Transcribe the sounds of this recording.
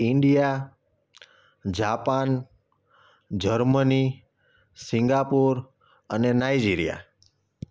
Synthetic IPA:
ɪɳɖija | d͡ʒapan | d͡ʒəɾməni | sĩŋɡapuɾ | ənenajd͡ʒiɾija̰

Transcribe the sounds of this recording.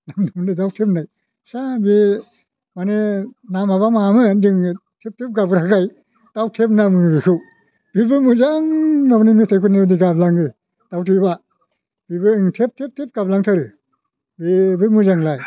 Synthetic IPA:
naŋdumndidawtʰep̚naj | sabe | manenamaβamamɯdɯŋtʰep̚tʰep̚ɡabɯɾakaj | d̥awtʰep̚namɯbikʰɯw | b̥ibɯmuzaŋnabnimitʰajkʰunebdiɡablaŋɯ | tawtʰiba | b̥ibɯɯŋtʰep̚tʰep̚tʰep̚ɡablaŋtʰaɾɯ | bebɯmuzaŋlaj

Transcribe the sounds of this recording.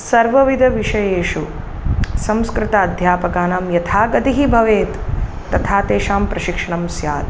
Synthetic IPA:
sɐɾʋɐʋid̪ʱɐʋiʂɐjeːʂu | sɐ̃mskɾɪt̪ɐɐd̪ʱjaːpɐkaːnaːmjɐt̪ʰaːɡɐd̪iɦibʱɐʋeːt̪ː | ɐt̪ʰaːt̪eːʃaːmpɾɐʃikʂɐɳɐmsjaːt̪

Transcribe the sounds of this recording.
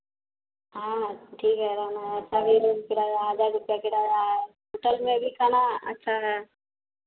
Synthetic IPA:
ɦãʈʰiːkɦɛɾanaɦɛɐtːʃʰabʱiɾuzkɪɽaɦəd͡ʒaɾɾʊpjakɪɽaa | ɦoːʈəlmẽbʱikanaɐ̰tːʃʰaɦɛ

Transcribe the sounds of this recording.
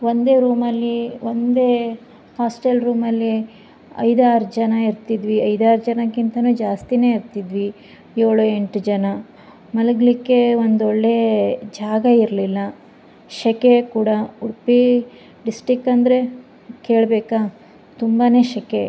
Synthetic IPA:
ʋo̞nd̪e̞ːɾuːmɐlːiʋond̪e̞ː | haːsʈelɾuːmɐlːi | ɐ̰jd̪aːɾd͡ʒɐnɐiɾt̪id̪ʋiɐjd̪aːɾd͡ʒɐnɐkint̪ɐnuːd͡ʒaːst̪ine̞ːiɾt̪id̪ʋi | joːɭue̞ɳʈd͡ʒɐnɐ | mɐlɐɡɭikːe̞ʋond̪oɭːe̞d͡ʒaːɡɐiɾlilːɐ | ʃɛkekuːɽɐuɽpi | ɖisʈɾikːɐnd̪ɾe̞ | ke̞ːɭbeːkaː | t̪umbane̞ːʃɛke

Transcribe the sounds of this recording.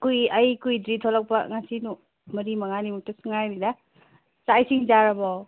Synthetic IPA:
kujɐjkujdɾit̪ʰɔlak̚pɐŋasinu | mɐɾimaŋanimutusɯŋajɾida | sajsiŋd͡ʒaɾabɔw

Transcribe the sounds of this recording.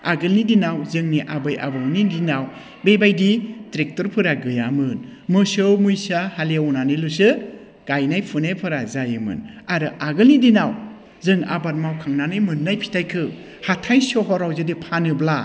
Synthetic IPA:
aɡɯlnidinawzɯŋniʔabɯjʔa̰bɔwnidinaw | bebajditɾek̚tɔɾpʰɯɾaɡɯjamɯnmɯsɯwmujsahalewnanilus̬ɯ | ɡ̥ajnajpʰɯnajpʰɯɾazajɯmɯ̰naɾɯʔaɡɯlnidinaw | zɯŋa̰bat̚mawkʰaŋnanajmɯnːajpʰi̥tʰajkʰɯ | hatʰajsɔɦɔɾawzɯdipʰanɯbla

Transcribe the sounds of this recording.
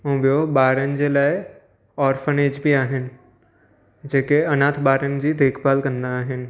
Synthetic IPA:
õbijobaːɾənd͡ʑelaːe | ɔːɾfəneːd͡ʒbʱiaːɦɪn̆ | d͡ʑeːkeɐnãːt̪ʰbaːɾənɪ̆d͡ʑid̪ʱeːkʰpaːlkɐ̃nd̪aːɦɪnɪ̆

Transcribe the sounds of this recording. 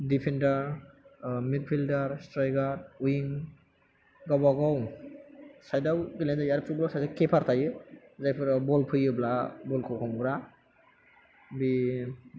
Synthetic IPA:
dipʰendaɾ | mik̚pʰildaɾstɾajɡaɾujiŋ | ɡabaɡɔw | sajdawkilendajaɾpʰublasajdawkepʰaɾtʰajɯzajpʰɯɾbɔlpʰɯjɯblabɔlkʰɔwkʰɔŋɡɾa | bi

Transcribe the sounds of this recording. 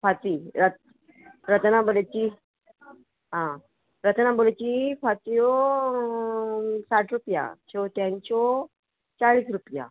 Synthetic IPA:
fat͡siːɾət̪̚ | ɾət̪nabolet͡ɕi | ɦã | ɾət̪nabolet͡ɕifat͡sijɔ | saʈʰɾupja̰t͡ɕʰet̪jãɲt͡ɕɔ | t͡ɕaɭiːsɾupja̰

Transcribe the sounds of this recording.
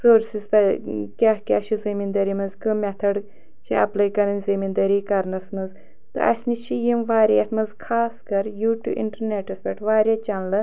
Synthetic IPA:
soːɾsizt̪ɐkʲahkʲaʃʰuzimind̪ɐɾimɐzkɨmʲɛt̪ʰɐɖ | t͡ʃʰiɐ̰plɐjkɐnɨnʲzimind̪ɐɾiːkɐɾnɐsmɐz | t̪ɨ̰ʔɐ̰sʲnit͡ʃʰijimʋaːɾʲat̪ʰmɐzkʰaːskɐɾjuːʈʲṵːʔḭɳʈɐɾneʈɐspʲɐʈʰʋaːɾʲat͡ʃɐnlɨ

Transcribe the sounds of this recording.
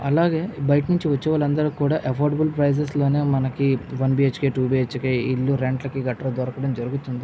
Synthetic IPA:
ɐlaːɡe̞ːbɐjʈnuɲt͡ʃiʋɐt͡ʃːɛʋaːlɐnd̪ɐɾukuːɽaːʔɐpʰoːɾɖɐbulpɾɐjs̬es̬lo̞ːne̞ːmɐnɐkiʋɐnbiːet͡ʃkeːʈuːbiːet͡ʃkeːilːuɾeɳʈlɐkiɡɐʈːɐɾɐd̪ɔɾɐkɐɽɐmd͡ʒɐɾuɡut̪ːund̪i

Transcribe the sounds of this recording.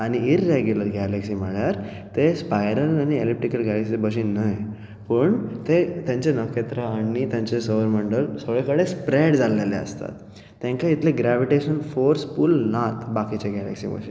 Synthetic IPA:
aɽ̃iiɾːeɡjuləɾɡɛleksiːm̤əɭjaɾ | t̪espajɾəlañielip̚ʈikəlɡɛleksibəɕ̬inəj | pəɳt̪et̪jãɲt͡ɕenəkʰet̪ɾəanit̪jãɲt͡ɕesəʋəɾməɳɖəlsʰoɭekəɽespɾeɽd͡zalːelḛə̰st̪a̰t̪ː | ãŋkait̪leɡɾɛʋiʈeɕənfoɾspulnat̪bakit͡ɕeɡælɛ̰ksḭbə̰ɕi

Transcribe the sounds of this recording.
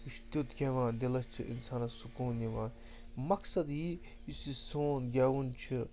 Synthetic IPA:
iʃt̪ut̪kʲeʋãːd̪elɐst͡ʃʰiʔḭnsaːnɐsukuːnjɐʋãː | mɐksɐd̪ɦiː | isisoːnɡʲaːʋunt͡ʃʰi

